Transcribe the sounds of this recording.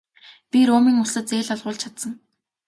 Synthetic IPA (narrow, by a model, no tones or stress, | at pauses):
pʲiɾoːmiːŋʊsə̆t͡seːɮɔɮʁʊːɮt͡ɕʰḁt̪sə̆ŋ